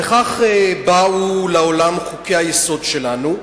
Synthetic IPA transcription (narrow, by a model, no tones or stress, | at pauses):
eχaχebaulaolamχukehajeso̞dʃelanu